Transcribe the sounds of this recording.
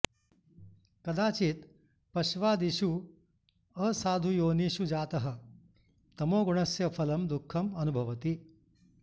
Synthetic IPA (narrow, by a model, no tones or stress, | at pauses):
kɐd̪aːt͡ʃiːt̪ | pɐɕʋaːd̪iɕu | ɐsaːd̪ʱujoːniɕud͡ʒaːt̪ɐɦɐ̆ | t̪ɐmoːɡuɳ̃ɐsjɐfʰɐlɐmd̪ukʰːɐmɐnubʱɐʋɐt̪i